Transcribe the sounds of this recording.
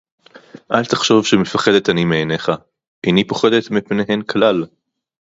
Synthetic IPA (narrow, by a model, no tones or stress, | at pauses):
ʔalt̪aχʃo̞vʃemefaχe̞d̪et̪animeːne̞χa | ʔejnipo̞χed̪e̞t̪mipneɦe̞nklal